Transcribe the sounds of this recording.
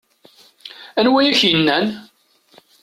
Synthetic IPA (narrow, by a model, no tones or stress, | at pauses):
ænwæjæçjənːæn